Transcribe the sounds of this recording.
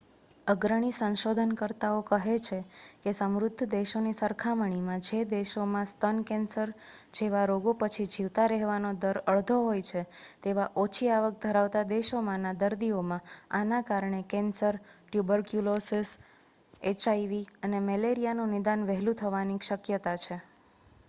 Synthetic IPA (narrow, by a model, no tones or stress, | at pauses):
əɡɾəɳ̃isə̃nʃod̪ʱənkəɾt̪aokəɦet͡ʃʰekesəmɾʊd̪ʱːəd̪eʃonisəɾkʰaməɳ̃imãd͡ʒed̪eʃomãst̪ənkɛ̃nsəɾ | d͡ʒeʋaɾoɡopət͡ʃʰid͡ʒiʋt̪aɾɛɦʋanod̪əɾəɭd̪ʱoɦojt͡ʃʰet̪eʋaʔot͡ʃʰiaʋək̚d̪ʱəɾaʋt̪ad̪eʃomãnad̪əɾd̪iomãanakaɾɳekɛnsəɾʈjubəɾkjulosis | et͡ʃaijʋiənemɛleɾijanũnɪd̪anʋɛɦlũt̪ʰəʋanikʃəkjət̪at͡ʃʰe